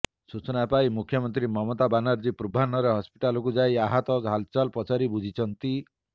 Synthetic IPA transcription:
sut͡ʃɔnapaimukʰjɔmɔnt̪ɾimɔmɔt̪abanaɾd͡ʒipɾubʱanɔɾeɦɔspiʈalɔk̬ud͡ʒajaɦat̪ɔd͡ʒɦalt͡ʃalpɔt͡ʃʰaɾibud͡ʒʱit͡ʃʰɔnt̪i

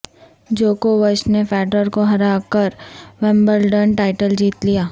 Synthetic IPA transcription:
d͡ʒoːkoʋəʃnefɛːʈəɾkoɦɐɾaːkəɾʋɛ̃mbəɾɖənʈaːɪʈəld͡ʒiːt̪lijaː

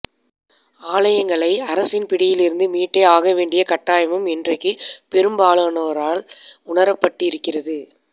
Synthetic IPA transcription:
aːlɐjɐŋɡɐɭɐɪɐɾɐsɪnpɪɽɪjɪlɪɾɯnd̪ɯmiːʈːeːaːɣɐʋeːɳɖɪjɐkɐʈːaːjɐmɐmɛndrɐɪkːɯpɛɾɯmbaːɭɐːnɐɐɾaːɭʊɳɐɾɐpːɐʈːɯɪɾɯkːɪrɐðɯ

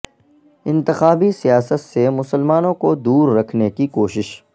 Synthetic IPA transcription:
ɪ̃nt̪ɪxaːbisijaːsət̪semʊsəlmaːnõkod̪uːɾːɐkʰnekikoːʃɪʃ

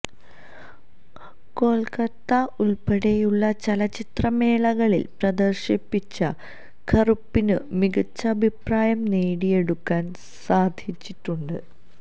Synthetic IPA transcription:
ko̞ːlkɐt̪ːɐʔulpeɽejuɭːɐt͡ɕɐlɐt͡ɕit̪rɐme̞ːɭɐɣɐɭḭlprɐd̪ɐrɕɐpːit͡ɕːɐ | kʰɐrupːinɨmiɡɐt͡ɕːɐːbʱipraːjɐmneːɽije̞ɽukːaːn | saːd̪ʱit͡ɕːiʈːuɳɖɨ

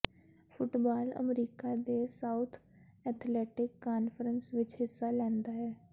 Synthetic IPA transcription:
fʰʊʈbaːlə̰mɾiːkaːd̪eːsaːʊt̪ʰɛːt̪ʰlɛːʈɪkːaːnfəɾənsʋɪt͡ʃɦɪsːaːlɛ̃ːnd̪aːɦɛː

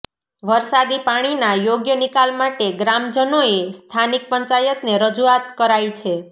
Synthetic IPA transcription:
ʋəɾsad̪ipaɽ̃inajoɡjənikalmaʈeɡɾamd͡ʒənoest̪ʰanik̚pəɲt͡ʃajət̪neɾəd͡ʒuat̪kəɾajt͡ʃʰe

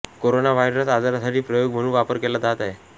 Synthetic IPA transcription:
koɾonaʋajɾəsad͡zaɾasaʈiːpɾəjoɡm̤əɽũnʋapəɾkelad̪at̪aɦe

